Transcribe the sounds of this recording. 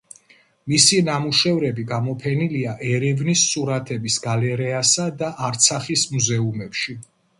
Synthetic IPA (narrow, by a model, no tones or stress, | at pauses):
misinamuʃɛvɾɛbiɡamɔpʰɛniliaʔɛɾɛvnisːuɾat̪ʰɛbisɡalɛɾɛasad̪aʔːɾt̪sʰaχismuzɛumɛpʃi